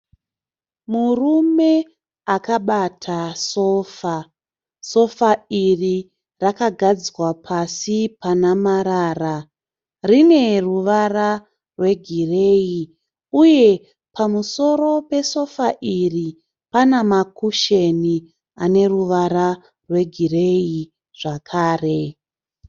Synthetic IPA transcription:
murume̞ | akaɓatʰaso̞ːfa | so̞fairi | rakaɡʱad͡ziwapʰasipanamaɾaːra | rine̞ruʋara | rwe̞ɡʱire̞ːji | uje̞ | pamuso̞ɾo̞pe̞so̞faʔiri | panamakuʃeni | ane̞ruʋaɾa | rwe̞ɡʱire̞i | ʐ̥akʰaːre̞

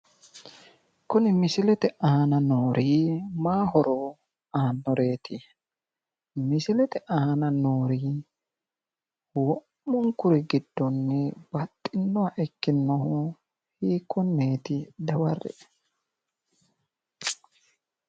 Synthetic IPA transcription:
kʊnɪmɪsɪlɛt̪ɛʔɐhɐnɐnoːɾʔiːmaːɦɔɾɔ | aːnːɔɾe̞ːt̪ɪ | mɪsɪlɛt̪ɛʔaɐnɐnoːɾiː | wɔmːɔŋkʊɾɪɡɪd̪̥ːɔnːɛb̥ɐt̪ʼːɪnːɔwaʔɛkːɪnːɔhʊ | hiːkʰːɔnːeːt̪ɪd̪ɐwɐrɛ̰

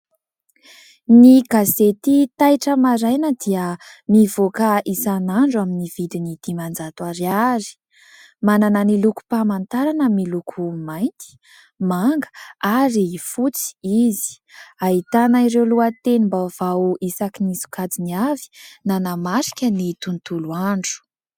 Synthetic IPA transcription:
niɡazet̪it̪ajʈ͡ʂəmaɾajnəd̪iəmivokəisanaɳɖ͡ʐuaminivid̪inid̪̥imand͡zat̪waɾiaɾi̥ | manananiluku̥pamant̪aɾanəmilukʰumajnt̪i̥ | maŋɡə̥aɾifut͡si̥izi̥ | aɦit̪anaiɾewluat̪enimbav̥aʔisakinisu̥kad͡ziniavi̥nanamaɾi̥kʲənit̪unt̪uluaɳɖ͡ʐu̥

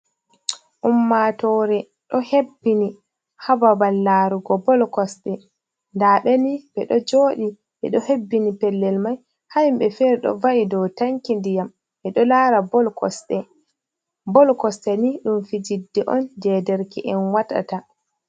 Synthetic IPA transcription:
ʔumːatɔɾɛ | ɗɔhebːini | hababalːaːɾuɡɔbɔlkɔsɗɛ | ndaːɓɛniɓɛɗɔd͡ʒoːɗi | ʔɛ̰ɗɔhebːinipɛlːɛlmaj | hajmbɛfɛɾɛɗɔ̰vaʔidɔwtaŋkindijam | ʔɛɗɔlaɾabɔlkɔ̰sɗɛ | bɔlkɔstɛniɗumfid͡ʒidːɛʔɔnd͡ʒɛdɛɾkiʔɛnwata̰ta

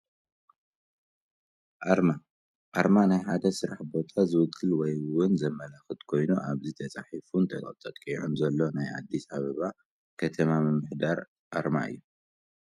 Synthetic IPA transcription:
ʔaɾma | ʔaɾmanajħad̪ɐsɨɾaħbo̞t̪ʰazɨwɨkʰʼːɨlwɔjwʊnzɐmːɐlaxɨt̪kʰo̞jnuʔaβzit̪ʰɐt͡sʼaħifunt̪ʰɐkʼɐ̰t̪ʼɐt̪ʼkʼiʕumzɐlːo̞najʔa̰d̪ːisaβɐβa | kʰɐt̪ʰɐmamɨmːɨħd̪aɾ | ʔaɾma̰ɨ̰jːu

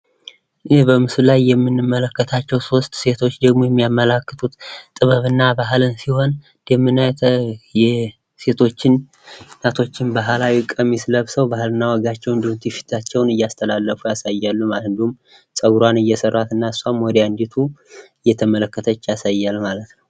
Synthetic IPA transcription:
hbəmɨslajːɛmːɨnːɨmːələkːət̪ʰat͡ʃːɛwso̞st̪se̞t̪ʰo̞t͡ʃːd̪əɡmo̞jɛmːijamːəlakːɨt̪ʰut̪t̪ʼɨβəβɨnːabaɦlɨnsiho̞n | d̪̥ɛmːɨnajɛ | se̞t̪ʰo̞t͡ʃːɪnː | at̪ʰo̞t͡ʃːɪnbaɦlawikʼːəmːisləβsəwbahlɨnːawɔɡat͡ʃːɛwnd̪umt̪ʰifi̥t̪ʰat͡ʃːɛwnɨjːast̪ʰəlalːəfujasajːalːumahɨnd̪əhum | sʼəɡɾwanɨjːɛsərːat̪ɨnːaɨsːamwɔd̪and̪it̪ʰuɨjːɛt̪ʰəmələkːət̪ʰət͡ʃːjasajːalmalət̪nəw

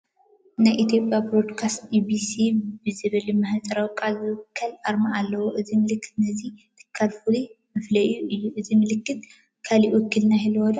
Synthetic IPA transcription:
najʔit̪ʰjo̞pʼjabɾo̞d̪kʰast̪ibisibɨzɨβɐlimɐhat͡sʼɐɾawkʼazɨwkʰːɐlʔaɾmaʔalːɐwoʔɨzimɨlɨkːɨ̥t̪nɐzit̪ʰɨ̥kʰːalfulimɨflɐʔjuʔɨjːuʔɨzimɨlɨkːɨt̪̚ | kʰaliwɔkʰːɨlnahilwɔd̪ɐ

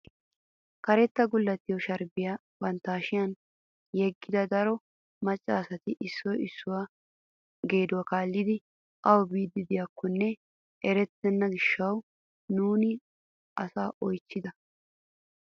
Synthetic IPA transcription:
kɐɾɛt̪ːɐɡʊlːɐt̪ːɪjɔʃɐɾbɪja | bɐnt̪ːaːʃɪjɐn | jɛɡːɪd̪ɐd̪ɐɾɔ | mɐt͡ʃʼːaːsɐt̪ɪʔɪsːɔjɪsːʊwa | ɡe̞ːd̪ʊwakaːlːɪd̪ɪ | ʔɐwɔbiːd̪ːɪd̪ɪjakʰːɔnːɛ | ɛɾɛt̪ːɛnːɐɡɪʃːɐw | nuːnɪ | ʔɐsaːʔɔjt͡ʃːɪd̪ɐ

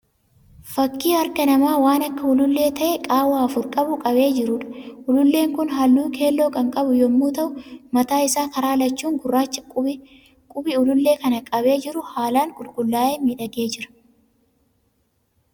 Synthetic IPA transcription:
fɐkːiːɐɾkɐnɐmaːwaːnɐkːɐʊlʊlːe̞ːt̪ɐʔɛkʼaːwaːɐfʊɾkʼɐbʊkʼɐbe̞ːd͡ʒɪɾʊᶑɐ̥ʔʊlʊlːe̞ːŋkʊnɦɐlːuːkʰe̞ːlːo̞ːkɐŋkʼɐbʊjɔmːuːt̪ɐʔʊmɐt̪aːɪsaːkɐɾaːlɐt͡ʃːuːŋɡʊrːaːt͡ʃːɐ̥ | kʼʊbɪʊlʊlːe̞ːkɐnɐkʼɐbe̞ːd͡ʒɪɾʊhaːlaːŋkʼʊlkʼʊlːaːeːmiːᶑɐɡe̞ːd͡ʒɪɾɐ̥

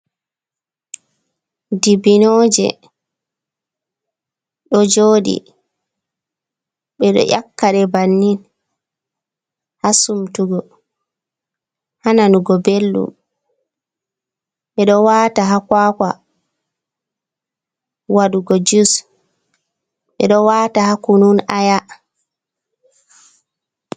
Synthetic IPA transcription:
dibinɔːd͡ʒɛ̰ | ɗɔd͡ʒoːɗḭ | ɓɛɗɔ̰ʔjakːaɗɛbanːin | hasumtuɡɔ | hananuɡɔbelːṵm | ɓɛɗɔwataɦakwaːka | waɗuɡɔd͡ʒus | ɓɛ̰ɗɔwatahakununaja

